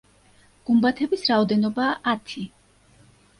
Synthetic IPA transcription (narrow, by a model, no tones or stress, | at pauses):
ɡ̥umbat̪ʰɛbisɾaɔd̪ɛnɔbaːʔat̪ʰi